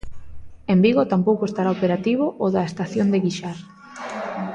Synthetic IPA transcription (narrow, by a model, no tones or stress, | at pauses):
embiɣot̪ampowkoest̪aɾaopeɾat̪iβ̞oʔoðɐest̪aθjond̪eɣiʃaɾ